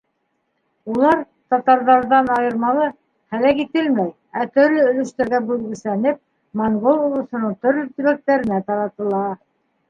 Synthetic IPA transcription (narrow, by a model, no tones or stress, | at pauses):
ulˠɑɾ | t̪ɑt̪ɑɾðɑɾðɑnɑjɤ̆ɾmɑlˠɤ | χælækit̪ɘlmæj | æt̪ɵ̆ɾlɵɵ̆lɵ̆ʃt̪æɾɡæbʉlɡɵ̆sænɘp̚ | moɴɡolˠŏlˠɤ̆sɤ̆nɤɴt̪ɵ̆ɾlɵt̪ɵ̆βæk̚t̪æɾɘ̆næt̪ɑɾɑt̪ɤ̆lˠɑ